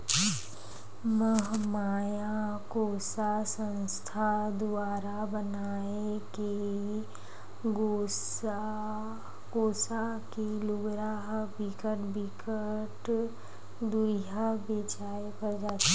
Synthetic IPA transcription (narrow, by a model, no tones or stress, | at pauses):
məɦmaːjakoːsasə̃nst̪ʰad̪ʊaːɾabənaː | eke | ɡo | koːsa | kilʊɡɾaɦbikəʈbikəʈ | d̪uɦabeːt͡ʃaːekəɾd͡ʒaːt̪a